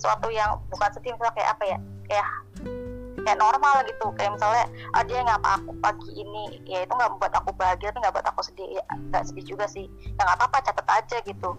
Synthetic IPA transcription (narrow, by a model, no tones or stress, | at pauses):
suat̪ujaŋbukansədimisalakaja̰ʔa̰paja | kaja | kajaʔnɔrmalɡit̪ukajaʔmisalaʔə̰diaŋapa̰ːkupaɡiʔinijait̪uŋɡaʔəmbuat̪akubaɦaɡiarniŋɡaʔbuat̪akusədiaŋɡaʔsədihd͡ʒuɡasɪh | jaŋɡapapat͡ʃat̪ət̪ad͡ʒaɡit̪u